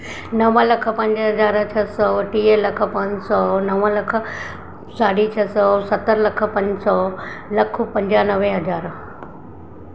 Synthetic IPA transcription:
nɐʋəlɐk̆ʰpɐ̃ɲd͡ʑɦɐzaːɾt͡ʃʰɐsɔʈiːelɐk̆ʰpɐ̃ɲd͡ʑsɔːnɐʋə̃lɐk̆ʰ | saːɽit͡ɕʰɐsɔsɐt̪əɾlɐk̆ʰpɐ̃ɲd͡ʑsɔlɐkʰupɐ̃ɲd͡ʑaːnɐʋẽɦɐd͡ʑaːɾ

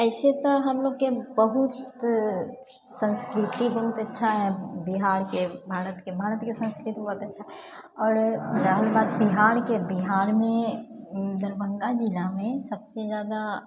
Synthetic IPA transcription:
ɛːset̪oɦɐmloːɡkebɐɦʊt̪ | sə̃nskɾɪt̪ibɐɦʊt̪ɐtːʃʰaɦɛbɪɦaːɾkebʱaːɾət̪kebʱaːɾət̪kesə̃nskɾɪt̪ibɐɦʊt̪ɐtːʃʰaɦɛ | ɔːɾɾaːɦlbaːd̪bɪɦaːɾkebɪɦaːɾmẽ | d̪ɐɾbə̃ŋɡad͡ʒilamẽsɐbsezjaːd̪a

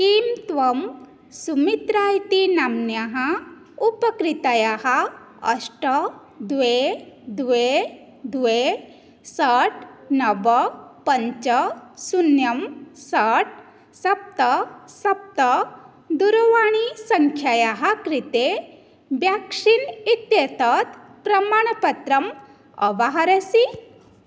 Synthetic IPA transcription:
kiːmt̪ʋɐm | sumit̪ɾajt̪inamnjaɦa | upəkɾit̪ajaɦa | ə̰sʈə | d̪ʋed̪ʋe | d̪ʋe | səʈnɐʋəpəɲt͡ʃəsunjɐmsəʈ̚ | sɐp̚t̪əsɐp̚t̪ə | d̪uɾoʋaɽ̃isɐŋkʰjajaɦakɾit̪e | bjakʂinit̪jet̪ət̪pɾɐmaɽ̃pɐt̪ɾɐm | ɐ̰ʋaɦaɾəsi

